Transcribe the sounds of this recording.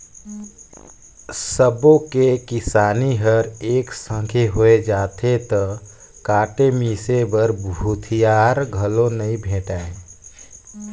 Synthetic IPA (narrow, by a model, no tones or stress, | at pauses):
səbokekɪsaːniɦəɾeːksə̃ŋkʰeɦoed͡ʒaːt̪ʰet̪ɔ | kaːʈemisebəɾbʱut̪ʰijaɾɡʱəlonəĩbʱẽːʈaːe